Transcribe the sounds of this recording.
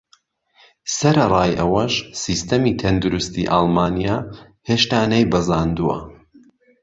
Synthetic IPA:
sɐɾɐrˤɑːjʔɐwɐʃsist̪ɐmiːt̪ʰɐnd̪uɾust̪ḭʔaːlˠmaːnijaː | heːʃt̪aːnɐjbɐzaːnd̪uwɐ̰

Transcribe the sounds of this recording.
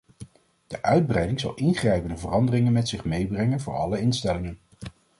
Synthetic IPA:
d̥əʔœɥd̚brɛjdɪŋzɑ̰lˠʔɪnχrɛjpəndəvərɑndərɪŋənmɛtsɪχmejbrɛŋənvʊ̰ːɹɑ̰ləɪnstɛlɪŋən

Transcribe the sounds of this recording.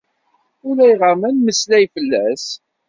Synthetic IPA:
ʊlæjʁamænməslæjfəlːæs

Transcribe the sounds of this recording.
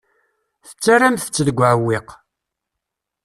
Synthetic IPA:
θə̥t͡sːaramθə̥t͡sːəðəɡʷʕwːɪq

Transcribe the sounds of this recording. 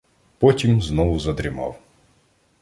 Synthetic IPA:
pɔtʲimznɔvʊzɐd̪ɾʲɪmɑ̰w

